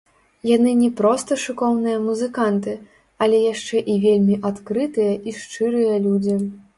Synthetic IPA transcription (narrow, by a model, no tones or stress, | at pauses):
janɨnʲɛpɾɔst̪ɐʂɨkɔwnɨjɐmuzɨkant̪ɨ | ɐlʲɛjaʂt͡ʂɛʔivʲelʲmʲiʔat̪kɾɨt̪ɨjɐʔiʂt͡ʂɨɾɨjɐlʲud͡zʲi